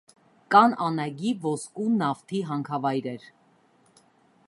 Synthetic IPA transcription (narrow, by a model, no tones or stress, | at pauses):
kɑnɑnɑɡivɔskunɑft̪ʰiɦɑŋkʰɑvɑjɾɛɾ